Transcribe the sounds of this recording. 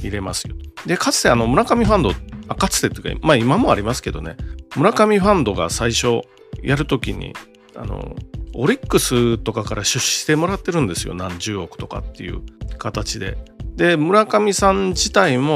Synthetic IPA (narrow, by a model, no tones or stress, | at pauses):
iɾe̞masɨ̥jod̪e̞kat͡sɨ̥t̪e̞ano̞mɯ̟ɾakamʲiɸãnd̪o̞akat͡sɨ̥t̪et̪oka̰maimamo̞aɾʲimasɨ̥ke̞d̪o̞̰ne̞̰mɯ̟ɾakamʲiɸãnd̪o̞ɡa̰saiɕo̞ | jʔaɾɯ̟t̪o̞kʲiɲ̟ḭ | a̰no̞̰oɾʲikːɯ̟sɨt̪o̞kakaɾaɕɨɕi̥t̪e̞mo̞ɾat̪ːe̞ɾɯ̟̃nd̪e̞sɨjo̰nãɲ̟d͡ʑɨːo̞kɯ̟̥t̪o̞ka̰t̪ːe̞̰jɯ̟̰kat̪at͡ɕid̪e̞̰d̪e̞mɯ̟ɾakamʲisãɲd͡ʑit̪aimo̞